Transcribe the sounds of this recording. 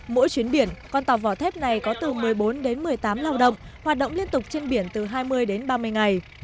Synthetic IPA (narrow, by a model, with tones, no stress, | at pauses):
mo̰˧˥jt͡ɕwi˨˦ənɓi˧˩ənkɔ˧nt̪aː˨˩wvɔ˧˩t̪ʰɛ˦˥p̚na˨˩jkɔ˨˦t̪ɨ˨˩mɨ˨˩əjɓo˨˦nɗe˨˦nmɨ˨˩əjt̪aː˨˦mlaː˧wɗə̰˧˨wŋ͡m | hwaː˨˩t̚ɗə̰˧˨wŋ͡mli˧ənt̪ʊ˨˩k͡p̚t͡ɕe˧nɓi˧˩ənt̪ɨ˨˩ɦaː˧jmɨ˧əjɗe˨˦nɓaː˧mɨ˧əjŋa˨˩j